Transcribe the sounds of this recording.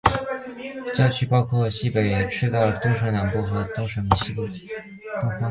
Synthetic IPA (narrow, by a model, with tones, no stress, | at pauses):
t͡ɕjɑ˥˧ʊt͡ɕʰy˥˩pɑ˥ʊkʰwɔ˥˩ɕi˥pe˨˩ɪʈ͡ʂʰɻ̩˥t̪ɑ˥˩ʊt̪ʊ˥ŋʂɤ˧˥na˧˥npu˥˩xɤ˧˥t̪ʊ˥ŋʂə˧˥m˧˩ɕi˥p | t̪ʊ˥ŋfa˥